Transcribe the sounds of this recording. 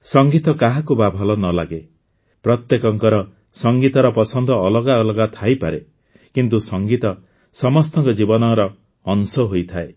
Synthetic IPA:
sɔŋɡit̪ɔkaɦakubabʱɔlɔnɔla̰ɡe | pɾɔt̪jekɔŋkɔɾɔ | sɔŋɡit̪ɔɾɔpɔsɔnd̪ʱɔːlɔɡaɔlɔɡat̪ʰajpaɾe | kint̪usɔŋɡit̪ɔ | sɔmɔst̪ɔŋkɔd͡ʒibɔnɔɾɔː | nsɔɦojt̪ʰae

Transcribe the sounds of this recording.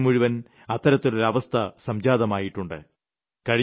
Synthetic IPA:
muɻiʋɐn | ɐt̪ːɐɾɐt̪ːoɾulɐʋɐst̪ʰɐsɐmd͡ʑaːðɐmaːjiʈːuɳɖɨ̰ | kɐɻi

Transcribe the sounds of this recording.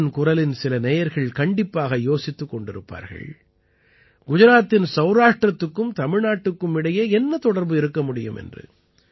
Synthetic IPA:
nkʊɾɐlɪnsɪlɐnɛjɐɾɣɐɭkɐɳɖɪpːaːɣɐjoːsɪt̪ːɯkːɔɳɖɪɾɯpːa̰ːɾɣɐ̰ɭ | ɡʊd͡ʒɐɾaːt̪ːɪnsɐʊɾaːʂʈrɐt̪ːɯkːɯmt̪ɐmɪɻnaːʈːɯkːɯmɪɽɐjeːɛnːɐt̪ɔɽɐɾbɯɪɾɯkːɐmʊɽɪjɯ̰mʔɛ̰ndrɯ̰

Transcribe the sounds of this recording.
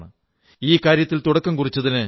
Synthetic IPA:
ɳɨ | iːkaːɾjɐt̪ːilt̪uɽɐkːɐmkurit͡ɕːɐðinɨ

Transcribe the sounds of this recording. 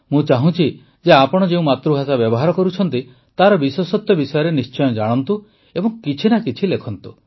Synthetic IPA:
mũt͡ʃaɦũt͡ʃʰi | d͡ʒeapɔɽ̃ɔd͡ʒeũmat̪ɾuɦasabjɔbɔɦaɾɔkɔɾut͡ʃʰɔnt̪i | t̪aɾɔbiswɔsɔt̪jɔbisɔjɔɾenist͡ʃɔjɔd͡ʒaɽ̃ɔnt̪u | ebɔŋkit͡ʃʰinakit͡ʃʰilekʰɔnt̪u

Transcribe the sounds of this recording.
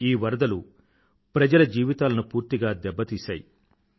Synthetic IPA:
iːʋɐɾd̪ɐlu | pɾɐd͡ʒɐlɐd͡ʒiːʋit̪aːlɐnupuːɾt̪iɡaːd̪ɛbːɐt̪iːsa̰ːji

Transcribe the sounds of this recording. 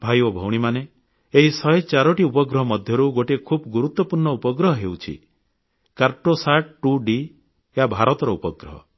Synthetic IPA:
bʱajɔbʱɔwɽ̃imane | eɦisɔjet͡ʃaɾɔʈiupɔɡɾɔɦɔmɔd̪ʱjɔɾuɡoʈekʰubɡuɾut̪wɔpuɾɳɔupɔɡɾɔɦɔɦewt͡ʃʰḭ | kaɾʈosaʈ̚ʈuɖi | jabʱaɾɔt̪ɔɾɔupɔɡɾɔ̰ɦɔ̰

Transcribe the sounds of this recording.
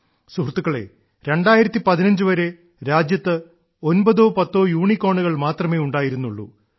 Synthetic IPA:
suhrt̪ːukːɐɭe̞̰ | ɾe̞ɳɖaːjiɾɐt̪ːipɐðinɐɲd͡ʑɨʋɐɾe̞ | ɾaːd͡ʑjɐt̪ːɨ | o̞nbɐðo̞ːpɐt̪ːo̞ːjuːɳikːo̞ːɳuɣɐɭmaːt̪rɐme̞ːuɳɖaːjiɾunːuɭːṵ

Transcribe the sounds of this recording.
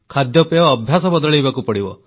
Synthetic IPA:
kʰad̪jɔpejɔːbʱjasɔbɔd̪ɔɭijbakupɔɽibɔ̰

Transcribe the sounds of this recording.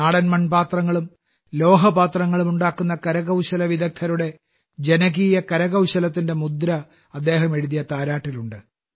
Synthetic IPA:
aːɽɐnmɐɳbaːt̪rɐŋːɐɭum | lo̞ːɦɐbaːt̪rɐŋːɐɭumuɳɖaːkːunːɐkɐɾɐɣɐwɕɐlɐʋiðɐk̚t̪ʰːɐɾuɽe̞ | d͡ʑe̞nɐɣiːjɐkɐɾɐɣɐwɕɐlɐt̪ːinde̞mud̪ɾɐ | ɐd̪ːe̞ːɦɐme̞ɻuðijɐt̪aːɾaːʈːiluɳɖɨ

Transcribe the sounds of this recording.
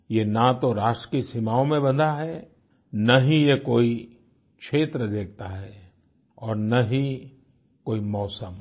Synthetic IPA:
jenat̪oɾaːʃʈɾəkisimaːõmẽbɐ̃nd̪aɦɛ | nɐɦĩjekoːi | kʃʰeːt̪ɾəd̪eːk̚ʰt̪aɦɛː | ɔːɾnɐɦi | koːimɔːsəm

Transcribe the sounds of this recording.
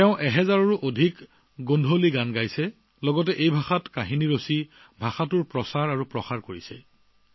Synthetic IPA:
tɛʊ̃ʔɛɦɛzaɹɔɹuʔodʱik | ɡondʱoliɡanɡajsɛ | lɔɡɔt̬ɛʔejbʱaxatkaɦiniɹosi | bʱaxatʊɹpɹɔsaɹaɹupɹɔxaɹkoɹisɛ̰

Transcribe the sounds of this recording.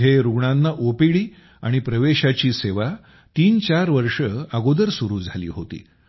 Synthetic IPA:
eɾuɡɳãnːaʔopiɭiː | aɽ̃ipɾəʋeɕat͡ɕiːseʋa | t̪iːnt͡ɕaɾʋəɾʂəaɡod̪əɾsuɾuːd͡zʱalḭːɦot̪ḭː

